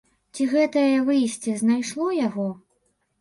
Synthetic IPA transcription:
t͡sʲiɣɛt̪ɐjjɐvɨjsʲt͡sʲɛznajʂlˠɔjaɣɔ

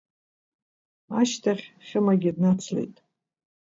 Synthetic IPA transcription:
aʃtʰaχʲχʲɪmaɡʲɪdnat͡sʰlḛjtʼ

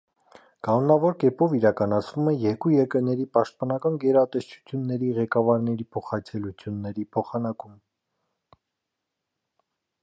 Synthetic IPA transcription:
kɑnɔnɑvɔɾkɛpɔviɾɑkɑnɑt͡sʰv̥umɛjɛɾkujɛɾkəɾnɛɾipɑʃt̪̚pɑnɑkɑnɡɛɾɑt̪ɛst͡ʃʰu̥t͡sʰjunːɛɾiʁɛkɑvɑɾnɛɾipʰɔχɑt͡sʰɛlut͡sʰjunːɛɾipʰɔχɑnɑkum

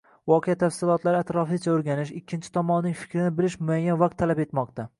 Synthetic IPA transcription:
vɒqʰejat̪ʰafsɪlˠɒt̪laɾɪat̪ɾɒfɪt͡ʃʰaoɾɡʲanɪʃɪkʲːɪnt͡ʃʰɪ̥t̪ʰɒmɒnɪnɪŋfɪ̥kʲɾɪnɪbɪlɪʃmʊajːanvaq̚t̪ʰːalape̞t̪mɒq̚t̪a

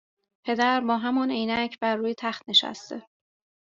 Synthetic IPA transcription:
pʰe̞d̪æɾbɒːɦæmɒnejnæcʰbæɾːuːjet̪ʰæχt̪neʃæ̰st̪e

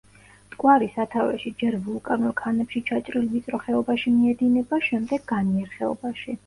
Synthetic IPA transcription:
t̪ʼkʼwaɾisat̪ʰavɛ̰ʃid͡ʒɛɾvulˠkʼanulˠkʰanɛpʃit͡ʃʰat͡ʃʼɾilvit̪sʼɾɔχɛɔbaʃimiɛd̪inɛbaʃɛmd̪ɛɡːaniɛɾχɛɔ̰baʃi

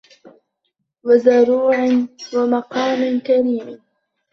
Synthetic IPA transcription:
wazaɾuːʕnwamɑqɑːmɪnkaɾiːm

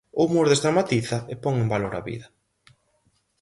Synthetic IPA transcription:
omoɾðest̪ɾamat̪iθɐepɔŋembaloɾa̰βḭðɐ

